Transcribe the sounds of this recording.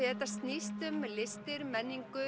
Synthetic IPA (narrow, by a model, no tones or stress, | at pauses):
ɛt̪ːḁst̪nist̪ʏmlɪst̪ɪɾmɛnːiŋkʏ